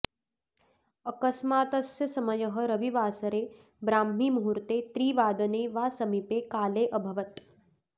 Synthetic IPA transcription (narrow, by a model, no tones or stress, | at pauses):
ɐkɐsmaːt̪ɐsjɐsɐmɐjɐɦɐɾɐʋiʋaːsɐɾeː | bɾaːmːiːmuɦuɾt̪eːt̪ɾiːʋaːd̪ɐneːʋaːsɐmipeːkaːleːʔɐbʱɐʋɐt̪